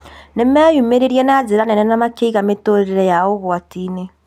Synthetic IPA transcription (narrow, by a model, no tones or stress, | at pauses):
nemɛːjumeɾeɾjɛnazeɾanɛnɛnamakeiɣametoɾeɾeɾɛjaoɣwatine